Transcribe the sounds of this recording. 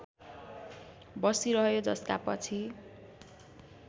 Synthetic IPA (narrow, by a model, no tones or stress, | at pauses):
bʌsiɾʌɦjod͡zʌskapʌt͡sʰi